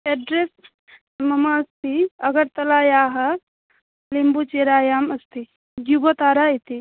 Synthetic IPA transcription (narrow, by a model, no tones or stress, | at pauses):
ɛɖɾes | mɐmaɐst̪iɐɡəɾt̪ɐlaːjaːɦɐ | limbut͡ʃeɾaːjaːmɐst̪ʰi | ɡjubət̪aːɾait̪i